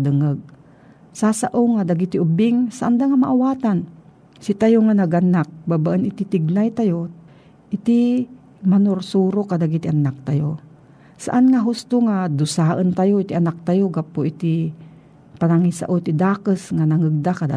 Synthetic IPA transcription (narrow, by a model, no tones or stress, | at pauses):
d̪ɨŋəɡ̚ | sasaʔowŋad̪aɡit̪iʔʊbɪŋsaʔand̪aŋamaʔawaːt̪an | sit̪ajoŋanaɡanak̚babaʔənɪt̪it̪ɪɡ̚najt̪ajo | ʔɪt̪i | manoɾsuːɾokad̪aɡit̪ɪʔanak̚t̪ajo | saʔanŋaɦʊst̪oŋad̪ʊsaːʔənt̪ajoʔit̪iʔanak̚t̪ajoɡapoʔit̪i | panaŋisa̰ʔot̪id̪aːkəsŋanaŋəɡ̚d̪akada